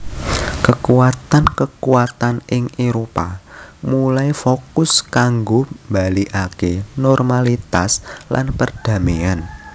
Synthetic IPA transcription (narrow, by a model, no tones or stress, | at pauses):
kəkuwat̪ankəkuwat̪anɪŋeɾopamulajfokʊskaŋɡombaliʔakenɔrmalit̪aslʔa̰npərd̥a̤mian